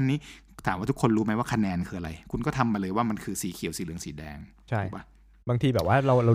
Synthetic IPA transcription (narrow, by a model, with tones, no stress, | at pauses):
nːiː˦˥ | t̪ʰaː˨˩˦mwaː˥˩u˦˥kʰo˧nɾuː˦˥ma˦˥jwaː˥˩kʰa˧nɛː˧nkʰɯː˧ʔa˧ɾa˧jkʰu˧nkɔ˥˩t̪ʰa˧mːa˧lɤː˧jwaː˥˩ma˧nkʰɯː˧siː˨˦kʰi˨˩˦wsiː˩˦lɯ˩˦əŋsiː˩˦dɛ̰ː˧ŋ | t͡ɕʰa˥˩waː˥˩ | baː˧ŋt̪ʰiː˧bɛː˨˩p̚waː˥˩ɾa˧wɾa˧w